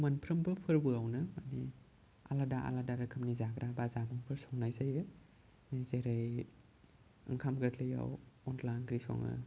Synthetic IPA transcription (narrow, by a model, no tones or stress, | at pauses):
manpʰɾɐmbɯpʰɯɾbɯawnɐmani | a̰ladaʔa̰ladaɾakʰɯmnizaɡɾabazabɯŋpʰɯɾsɔŋnajzajɯ | nizeɾaj | ɯ̰ŋkʰamɡatʰlɯja̰wɔnlajnɡɾisɔ̰ŋɯ̰